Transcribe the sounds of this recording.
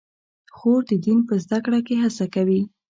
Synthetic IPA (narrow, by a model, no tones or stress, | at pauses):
xoɾd̪əd̪inpəzd̪akɽakeɦasakawi